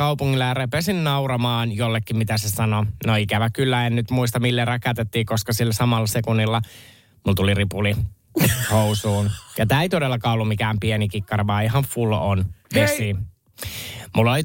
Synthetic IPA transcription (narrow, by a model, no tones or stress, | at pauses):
ɑwpuŋːilːɑjɑrepesinnɑurɑmɑːnjolːekːimit̪æsesɑnonoikæʋækylːæennyt̪muis̬t̪ɑmilːerɑkæt̪et̪ːiːkoskɑsilːæsɑmɑlːɑsekunːilːɑ | mult̪uliripuli | housuːnjɑt̪æːeit̪odelːɑkɑulːumikæːmpienikikːɑriʋɑːiɦɑɱful̰onʋesi | mulːoli